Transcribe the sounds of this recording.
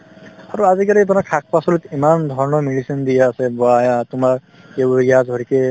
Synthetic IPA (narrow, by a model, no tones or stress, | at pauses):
aɹuazikalibɔnakʰak̚pasɔlutimand̪ʱɔɹɔnɔmeɖisɔnd̪ijaasɛbɔajatʊmaɹ | ebɹijadʱɔɹikɛ